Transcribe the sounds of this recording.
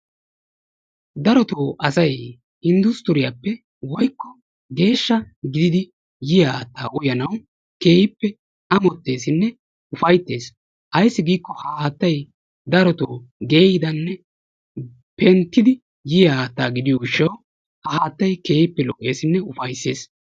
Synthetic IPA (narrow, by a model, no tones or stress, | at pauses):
d̪ɐɾɔt̪oːʔɐsɐj | hɪnd̪ʊst̪ʊɾɪjaːpːɛ | wɔjkːɔ | ɡe̞ːʃːɐɡɪd̪ɪd̪ɪ | jɪjɐaːt̪ːaːʔʊjɐnɐw | ke̞ːhɪpːɛ | ɐmɔt̪ːe̞ːsɪnːɛ | ʊfɐjt̪ːe̞ːs | ʔɐjsːɪɡiːkːɔhaːhaːt̪ːɐj | d̪ɐɾɔt̪o̰ːɡe̞ːjɪd̪ɐnːɛ | pɛnt̪ːɪd̪ɪ | jɪjɐaːt̪ːaːɡɪd̪ɪjɔʊʃːɐw | hɐhaːt̪ːɐjke̞ːhɪpːɛlɔʔʼːe̞ːsɪnːɛʊfɐjsːe̞ːs